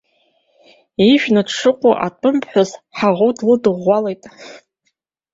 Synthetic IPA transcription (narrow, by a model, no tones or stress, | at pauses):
iʃᶣnadʂɨqʷʼʊʔatʷʼʊmpʰʼħʷᶣazħaʁowdʰlɨdɨʁʷːalejtʼ